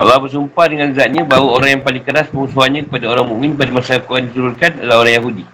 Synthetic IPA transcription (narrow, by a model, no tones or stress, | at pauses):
alabəs̬umpadəŋãnəzat̪̚ɲãbawəoɾaŋjaŋpalɪŋkəɾaspəŋusuɦanɲãkə̥padaoɾaŋmũʔmɪ̃npadamasakuadit̪uɾulkanalahoɾaŋjaɦudi